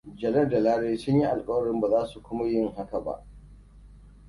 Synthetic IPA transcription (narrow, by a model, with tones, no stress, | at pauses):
d͡ʒɐ˨lɐ˦rda˨laː˦ɽeː˦sʊ˦ɲji˦ʔa˨lkʼɐ˦wɐ˦ɽɪ˦mba˨zaː˦su˨kʷʊ˦ma˦jɪ˦ŋha˦ka˨ba̰˦ʔ